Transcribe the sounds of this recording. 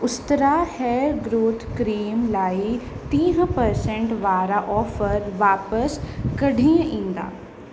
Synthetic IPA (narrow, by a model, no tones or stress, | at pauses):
ʊst̪əɾahɛːɾɡɾoːt̪ʰkɾiːmlaːi | t̪ĩːɦpəɾsẽɳʈʋaːɾaʔɔːfəɾʋaːpəskɐɽʱiə̃ʔĩːnd̪a̰ː